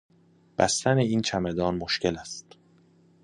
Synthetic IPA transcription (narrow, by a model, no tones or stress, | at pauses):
b̥æst̪æneiːnt͡ʃʰæmed̪ɒːnmoʃce̞læst̪